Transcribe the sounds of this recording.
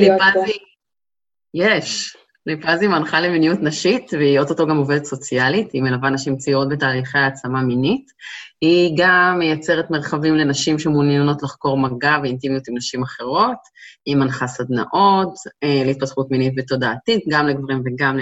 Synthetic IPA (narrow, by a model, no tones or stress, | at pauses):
lipazi | jeʃ | lipazimanχaleminijutnaʃitveio̞t̪otoɡamovedetso̞t͡sialitimelavanaʃimt͡siot̚betaːliχejaːt͡samaminit | hiɡamːejat͡se̞ʁetme̞ʁχavimlenaʃimʃemunjano̞tlaχko̞ʁmaɡaveintimijutimnaʃimaχe̞ʁo̞t | imanχasad̪na̰ʔo̞teleit̚patχutminitveto̞daːtit̚ɡamleɡvaʁimveɡaml